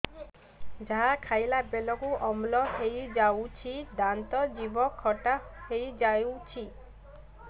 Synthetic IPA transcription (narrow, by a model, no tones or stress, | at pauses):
d͡ʒaɦakʰajlabelɔkuʔɔmlɔhejd͡ʒawt͡ʃʰid̪ant̪ɔd͡ʒibɔkʰːɔʈahejd͡ʒajwt͡ʃʰi